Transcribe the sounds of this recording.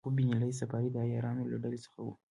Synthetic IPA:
ʊbinalajsafɑɾid̪əajɑɾɑnolaɖalesə̥xawṵ

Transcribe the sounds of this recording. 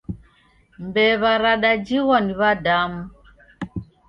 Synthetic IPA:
mbɛβaɾaɗad͡ʒiɣwɔniβadamu

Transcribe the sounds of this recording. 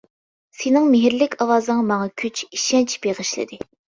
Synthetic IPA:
senɪŋmeɦɪɾlɪkʲʰɑwɑːzɨŋɑmɑŋɑkʲʰyt͡ʃiʃɛnt͡ʃʰb̥eʁəʃlɪ̰d̪ɪ

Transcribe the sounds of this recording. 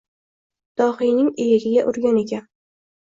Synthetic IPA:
d̪̥ɒhɪjnɪŋejɪɡʲɪɡʲaʔʊɾɡʲane̞kʲʰan

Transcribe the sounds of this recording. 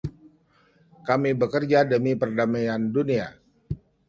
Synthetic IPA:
kamibəkərd͡ʒadəmipərdamajandunia

